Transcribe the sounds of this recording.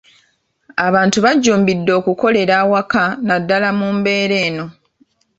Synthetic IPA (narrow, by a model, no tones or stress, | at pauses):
aβaːntuβaɟːuːmbidːo̞ːkuko̞le̞ɾaːwakanadːalamumbe̞ːɾe̞ːno̞